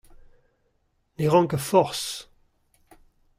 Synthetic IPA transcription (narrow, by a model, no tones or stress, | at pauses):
neʁɑ̃ŋkəfɔʁs